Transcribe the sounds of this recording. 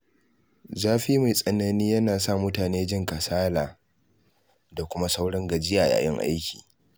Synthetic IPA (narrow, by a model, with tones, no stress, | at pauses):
zaː˦ɸiː˦ma˨jsʼɐ˨na˨niː˦jɐ˦naː˨sa˦mʊ˦taː˨neː˦d͡ʒɪ˦ŋka˨saː˦laː˨ | da˨kʷʊ˦ma˦sa˦wɽɐ˦ŋɡɐ˨d͡ʒɪ˦jaː˨ja̰ː˨jɛ˦ŋʔa̰˦jkʲi̥̰ː˨